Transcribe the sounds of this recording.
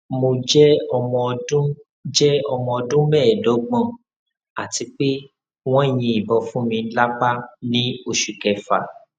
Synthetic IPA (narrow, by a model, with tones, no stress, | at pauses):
mo˧d͡ʒɛ˦ɔ˧mɔ̃˧dũ˦ | d͡ʒɛ˦ɔ˧mɔ̃˧ɔ˧dũ˦mɛ˦˨dɔ˨˦ɡ͡bɔ̃˦ | a˨ti˧k͡pe˦ | w̃ɔ̃˦e˦˨j̃ĩ˧i˨bɔ˨fũ˨˦mĩ˧˦la˦k͡pa˦nĩ˦o˧ʃu˨kɛ˨fa˨